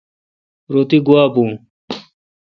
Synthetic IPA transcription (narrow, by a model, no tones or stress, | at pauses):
ɾot̪iɡuaːbũː